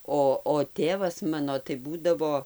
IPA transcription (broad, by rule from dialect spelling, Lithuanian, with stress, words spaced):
ˈoː oː ˈtʲeːʋɐs ˈmɑːnoː tɐɪ ˈbuːdɐʋoː